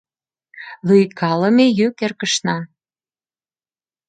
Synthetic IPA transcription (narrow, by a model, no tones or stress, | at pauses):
lyjkʰɑlə̆mejykerkə̆ʃnɑ